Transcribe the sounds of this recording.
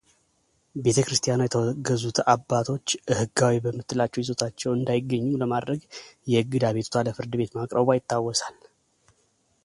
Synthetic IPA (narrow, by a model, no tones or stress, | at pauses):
be̞t̪ʰəkɾɨst̪ʰʼijanajɛt̪ʰəwɔɡəzut̪ʰabːat̪ʰo̞t͡ʃːʔɨhɨɡawibəmːɨt̪ʼːɨlat͡ʃːɛjizo̞t̪ʰat͡ʃːɛwɨnd̪ajɪɡːəɲːumləmad̪ɾəɡjɛɨɡːɨd̪aβe̞t̪u̥t̪ʰaləfɨɾd̪ɨbe̞t̪makʼɾəbajɪt̪ːawːɔsal